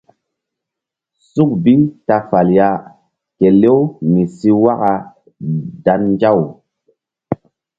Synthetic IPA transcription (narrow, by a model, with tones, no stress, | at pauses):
su˦k̚bi˦ta˧fa˨lja˦ | ke˨le˦wmi˨si˦wa˦ka˨ | da˨nd͡ʒa˦˨w